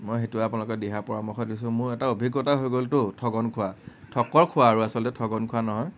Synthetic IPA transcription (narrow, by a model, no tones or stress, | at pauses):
mojxetuaapʊnalʊkɔdɛɦapɔɹamɔxɔtdisʊ̃mʊɹɛtaobʱiɡːɔtaɦojɡoltʊtʰɔɡɔnkʰʊwa | tʰɔkɔɹkʰʊwaːɹuasɔltɛtʰɔɡɔnkʰʊanɔɦɔj